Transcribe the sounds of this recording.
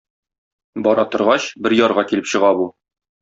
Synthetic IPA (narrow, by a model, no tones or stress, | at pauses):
bɒɾɑt̪ŏɾʁɑɕbɘɾjɒɾʁɑkilɘpɕɤ̆ʁɑbu